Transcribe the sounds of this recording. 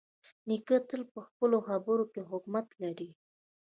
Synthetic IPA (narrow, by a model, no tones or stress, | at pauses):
nikət̪əlpəxpəloxabəɾokeɦʊkmat̪laɾi